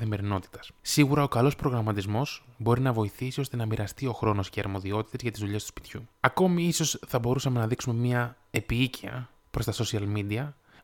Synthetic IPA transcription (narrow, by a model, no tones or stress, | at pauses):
θeme̞ɾino̞t̪i̥t̪ɐ̥ssiɣuɾɐo̞kɐlo̞spɾo̞ɣɾɐmɐt̪izmo̞zbo̞ɾinɐvo̞iθisio̞st̪e̞nɐmiɾɐst̪io̞xɾo̞no̞sceɐɾmo̞ðio̞t̪i̥t̪e̞zʝɐt̪izðuʎe̞st̪spi̥t̪çuɐko̞miiso̞sθɐbo̞ɾusɐme̞nɐðiksume̞miɐ | e̞piiciɐ̰ | pɾo̞st̪ɐso̞siɐlmid̪iɐ